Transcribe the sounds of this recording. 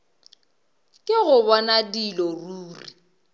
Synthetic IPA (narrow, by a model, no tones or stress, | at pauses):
kʼɪɣʊβɔnadilɔruːri